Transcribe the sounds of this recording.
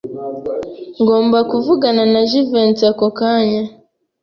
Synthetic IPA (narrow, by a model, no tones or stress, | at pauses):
ŋɡo̞ːmbakuvuɡananaʒivent͡sakokaːɲa